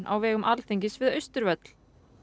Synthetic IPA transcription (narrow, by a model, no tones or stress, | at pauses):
na̰wvɛːɣʏmʔalθejɲcɪsvɪðœɥst̪ʏɾvœt̪l̥